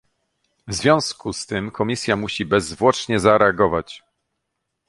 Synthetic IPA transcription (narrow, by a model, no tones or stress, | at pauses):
vzvʲjɔ̃w̃skust̪ɘmkʰɔmʲisʲjamuɕibɛzvwɔt͡ʂɲɛzaɾɛaɡɔvat͡ɕ